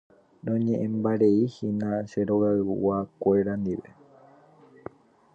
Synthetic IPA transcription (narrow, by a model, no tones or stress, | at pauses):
nõɲẽʔẽmbaɾeihinãʃeɾoɣaɨṵʔwakʷe̞ɾand̪iʋe